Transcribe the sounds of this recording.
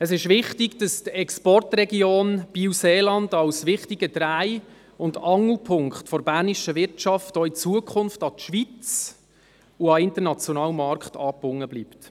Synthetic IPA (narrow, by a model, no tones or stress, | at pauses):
əsɪʃʋɪχtɪɡd̥ɑstɛkspɔrtrɛɡioːnb̥iwseːlɑndɑwsʋɪχtiɡəd̥ɾæɪ | ʊndɑŋəlpʰʊŋkχtfɔɾbæːɾniʃəʋɪrtt͡ʃɑftoit͡suəkʰχʊnftɑtʃʋit͡s | uɑɪntəɾnɑt͡sjɔnɑːlmɑɾkχtɑːpːʊŋːəbliːpt